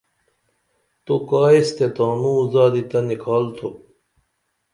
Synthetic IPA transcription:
t̪okaːist̪et̪aːnũzaːd̪it̪ɐnikʰaːlt̪ʰo

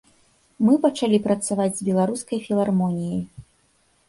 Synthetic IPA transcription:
mɨpɐt͡ʂalʲipɾɐt̪savad͡zʲzbʲɛlˠaɾuskɐjfʲilˠarmɔnʲijij

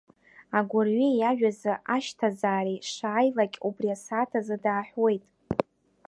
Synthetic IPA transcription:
aɡʷʊrɥijaʒᶣazɨʔaʃtʰazaːɾiʂaːjlakʲʼubriasatʰazɨdaːħwe̞jtʼ

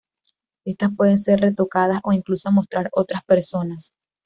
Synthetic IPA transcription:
e̞st̪aspwe̞ð̞e̞nse̞rre̞t̪o̞kaðasʔo̞iŋklusomo̞st̪ɾaɾo̞t̪ɾaspe̞ɾso̞nas

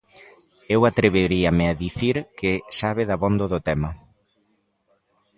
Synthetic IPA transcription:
ewat̪ɾeβeɾiamɪaðiθiɾkɪsaβ̞ɪðɐβond̪oðʊt̪ɛmɐ

